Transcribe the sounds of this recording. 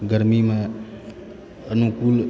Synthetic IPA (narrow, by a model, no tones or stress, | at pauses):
ɡəɾmima | ənukul